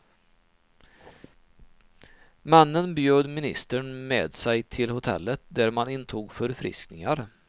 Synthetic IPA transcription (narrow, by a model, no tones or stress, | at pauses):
manːənbjøːd̪mɪnɪ̰st̪əɳmeːd̪sɛjt̪ʰɪlhʊt̪ʰɛ̰lːət̪̚d̪æɾmanɪnt̪ʰuːɡfœɾfɾɪ̰sknɪŋaɾ